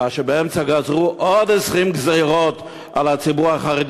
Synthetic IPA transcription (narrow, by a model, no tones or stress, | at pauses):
aʃebeemt͡saɡazʁuʔod̪ɛsʁimɡzejʁot̪ | alat͡sibuʁaχaʁed̪